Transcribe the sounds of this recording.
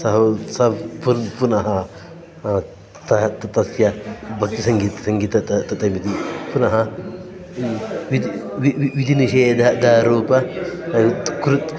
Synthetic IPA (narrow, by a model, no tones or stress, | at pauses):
sɐɦɐsɐpunpunɐɦɐ | t̪ɐt̪t̪ɐsjɐbɐk̚t̪isɐŋɡiːt̪sɐŋɡiːt̪ɐt̪ɐt̪ɐt̪ɐmit̪ipunɐɦɐ | ʋid̪ʋiʋiʋid̪ʱiniʃeːd̪ʱɐd̪aːɾoːpɐɐt̪kɾut̪